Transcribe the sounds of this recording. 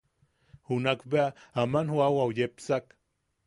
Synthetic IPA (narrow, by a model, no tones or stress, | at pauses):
hunakbeaamanhuawawjepsak